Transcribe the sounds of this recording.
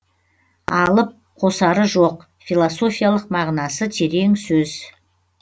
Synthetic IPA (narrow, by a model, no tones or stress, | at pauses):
ɑlˠəp̚ | qʰo̞sɑɾəʒo̞q | filˠoso̞fijalˠəqmɑʁnɑsət̪ʰe̞ɾe̞ŋsɵz̥